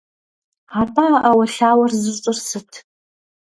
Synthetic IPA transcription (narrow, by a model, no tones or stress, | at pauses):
aːpʰʼaːʔɐwɐɬaːwɐrzɨt͡ʃʼʊrsɨtʰ